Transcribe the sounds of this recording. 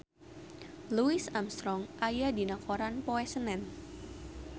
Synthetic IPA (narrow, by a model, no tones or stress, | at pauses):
luɪsamst̪ɾɔŋʔajadinakʰoɾanpoɛsənɛn